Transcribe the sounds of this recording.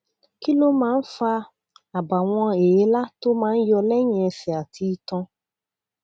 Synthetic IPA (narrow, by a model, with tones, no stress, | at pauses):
ki˦lo˦mãː˦n̩˦fa˧ | a˨ba˨w̃ɔ̃˧e˨je˨˦la˦to˦mãː˦jɔ˧lɛ˦ɲ̃ɛ̃˨si˨a˨ti˧tɔ̃˧